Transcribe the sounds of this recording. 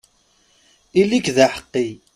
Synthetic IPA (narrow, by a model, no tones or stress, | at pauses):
ilikðaħə̥qːi